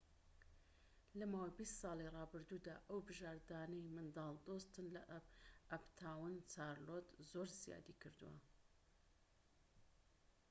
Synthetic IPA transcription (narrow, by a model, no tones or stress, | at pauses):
lɐmaːwjbist̪sɑːlˠirˤɑːbɨɾd̪uːd̪a̰ːʔɐwbɨʒaːɾd̪aːnɛjmɨnd̪ɑːlˠd̪ost̪ɨnlɐʔɐbt̪ʰaːwɨnt͡sʰaːɾlot̪zoɾz̥ija̰d̪ikʰɨɾd̪ṵwɐ̰